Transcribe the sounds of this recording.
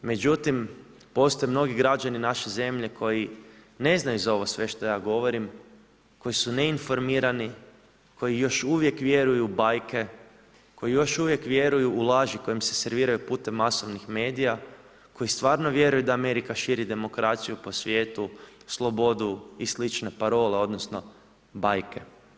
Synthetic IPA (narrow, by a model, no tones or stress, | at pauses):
me̞d͡ʑut̪im | po̞st̪o̞jemno̞ɡiɡɾad͡ʒaninaʃeze̞mʎe̞kʰo̞ji | ne̞znajuzao̞ʋo̞sʋe̞ʃt̪o̞jaːɡo̞ʋo̞ɾim | ko̞jisune̞info̞ɾmiɾani | kʰo̞jijo̞ʃuʋje̞kʋje̞ɾujubajke̞ | ko̞jijo̞ʃuʋje̞kʋje̞ɾujuːlˠaːʒiko̞jimse̞̥se̞ɾʋiːɾajupuːt̪emːaso̞ʋnixme̞ːd̪ija | ko̞jist̪ʋaːɾno̞ʋje̞ɾujud̪aːme̞ɾikaʃiːɾid̪e̞mo̞kɾat̪sijupo̞sʋje̞ːt̪uslˠo̞bo̞d̪uislit͡ʃne̞paɾo̞leo̞d̪nosno̞ | bajke̞